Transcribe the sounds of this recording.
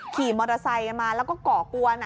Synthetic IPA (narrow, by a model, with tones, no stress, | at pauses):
kʰiː˨˩mɔː˧ɾa˧sa˧jka˧nmaː˧lɛː˦˥wkɔː˥˩kɔː˨˩ku˧ɐn˦˥